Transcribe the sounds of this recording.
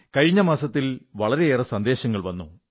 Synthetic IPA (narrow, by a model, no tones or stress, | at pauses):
kɐɻiɲːɐmaːsɐt̪ːilʋɐɭɐɾe̞eːrɐsɐnd̪e̞ːɕɐŋːɐɭʋɐnːṵ